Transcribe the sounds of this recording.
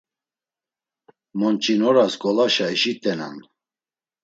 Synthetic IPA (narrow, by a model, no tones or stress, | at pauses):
mɔnt͡ʃʼinɔɾasɡɔlaʃaɛʃit̪ʼɛna̰n